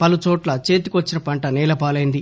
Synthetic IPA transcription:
pɐlut͡ʃɔːʈlɐt͡ʃeːt̪i̥kʋɐt͡ʃːinɐpɐɳʈɐniːlɐpaːlɐjnd̪i

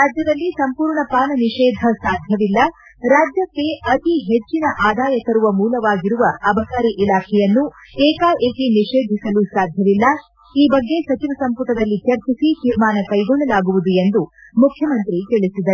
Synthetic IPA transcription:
ɾaːd͡ʒjɐd̪ɐlːisɐmpuːɾɳɐpaːnɐniʂeːd̪ʱɐsaːd̪ʱjɐʋilːɐ | ɾaːd͡ʒjɐkːe̞ʔɐt̪iɦet͡ʃːinɐʔaːd̪aːjɐt̪ɐɾuʋɐmuːlɐʋaːɡiɾuʋɐɐbʱɐkaːɾiʔilaːkʰɛjɐnːueːkaːʔeːk̪eniʂeːd̪ʱisɐlusaːd̪ʱjɐʋilːɐ | iːbɐɡːe̞sɐt͡ʃiʋɐsɐmput̪ɐd̪ɐlːit͡ʃɐɾt͡ʃisit̪iɾmaːnɐkɐjɡɔɭːɐlaːɡuʋud̪ue̞nd̪u | mukʰjɐmɐnt̪ɾikeɭisid̪ɐɾ

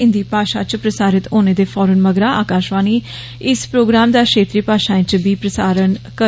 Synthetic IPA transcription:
ɪnd̪iːpaːʃaːt͡ʃpɾəsaːɾɪt̪oːneːd̪eːfʰɔːɾənməɡɾaːaːkaːʃʋaːniː | ɪspɾoːɡɾaːmd̪aːkʃeːt̪ɾiːpaːʃaːɪ̃t͡ʃbiːpɾəsaːɾənkə

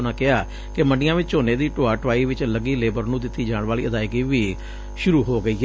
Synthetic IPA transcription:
nãːkɪɦaː | kɪməɳɖɪjãːʋɪt͡ʃt͡ʃoːneːd̪iːʈoːaːʈʋaːiːʋɪt͡ʃləɡiːleːbəɾnũːd̪ɪt̪ːiːd͡ʒãːɳ̃ʋaːliːʔəd̪aːɪɡiːʋiː | ʃʊɾuːɦoːɡəiː

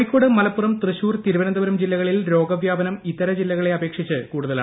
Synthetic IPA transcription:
ikʲːoːɽɨmɐlɐpːurɐmt̪rɨɕuːrt̪iɾuʋɐnɐd̪ɐʋɐɾɐmd͡ʑilːɐɣɐɭilɾo̞ːɡɐʋjaːbɐnɐmit̪ːɐɾɐd͡ʑilːɐɣɐɭe̞ɐbe̞ːkʂit͡ɕːɨkuːɽuðɐlaː

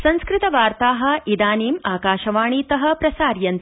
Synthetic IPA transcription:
sɐ̃nskɾɪt̪ɐʋaːɾt̪aːɦɐ̆id̪aːniːmaːkaːʃɐʋaːɳ̃iːt̪ɐɦɐ̆pɾɐsaːɾjɐnt̪

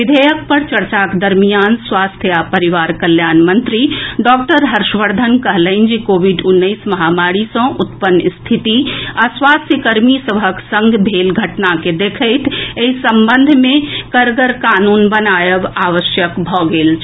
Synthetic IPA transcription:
ʋid̪ʱəjək̚pəɾt͡ʃəɾt͡ʃaked̪əɾmijanswast̪ʰjapəɾiʋaɾkəljanmənt̪ɾiɖɔk̚ʈəɾɦəɾʃʋəɾd̪ʱənkəɦləɪnd͡ʒikobiɖunːəɪsməɦamaɽisə̃ʔut̪pənːst̪ʰit̪iaswast̪ʰjəkəɾmisəbʱəksə̃ŋɡbʱelɡʱəʈnaked̪ekʰəɪt̪ʰeɦisəmbənd̪ʱmẽkəɾɡəɾkanunbənajəbaʋəʃjəkbʱɔɡelt͡ʃʰ

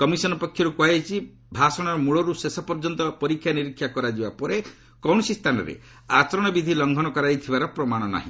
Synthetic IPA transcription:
kɔmisɔnɔpɔkʰjɔɾukuat͡ʃʰi | bʱasɔɽ̃ɔɾɔmuɭɔɾusesɔpɔɾd͡ʒɔnt̪ɔpɔɾikʰːjaniɾikʰːjakɔɾad͡ʒibapɔɾe | kɔwɽ̃ɔsist̪ʰanɔ̰ɾḛ | at͡ʃɔɾɔɽ̃ɔbid̪ʱilɔŋɡʱɔɽ̃ɔkɔɾajt̪ʰibaɾɔpɾɔmaɽ̃ɔna̰ɦḭ̃

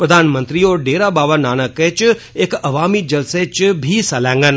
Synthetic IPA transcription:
pɾəd̪ʱanmə̃nt̪ɾioɖeɾabaʋanaːnəket͡ʃ | ekɐʋamid͡ʒəlset͡ʃbʱisəlãŋɡən

